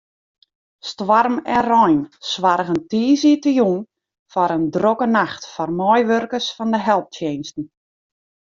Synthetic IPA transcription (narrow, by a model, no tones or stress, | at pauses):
stʋarmɛnrɔjnsʋarɣəntiːzitəjuŋ | fɔɾəndrokənaxtfɔrmɔjʋørkəsfɔndəɦɛlˠp̚tjejnstn̩